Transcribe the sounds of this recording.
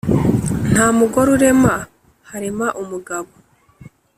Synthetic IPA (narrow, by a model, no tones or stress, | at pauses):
n̥haːmuɡo̞ɾuɾe̞ma | haɾimaʔumuɡaβo